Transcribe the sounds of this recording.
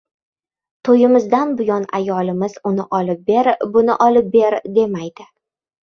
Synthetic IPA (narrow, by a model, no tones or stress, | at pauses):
t̪ʰojɪmɪzd̪anbʊjɒna̰jɒlɪmɪz̥ʊnɪʔɒlɪp̚be̞ɾbʊnɪʔɒlɪp̚be̞ɾd̪e̞majd̪ɪ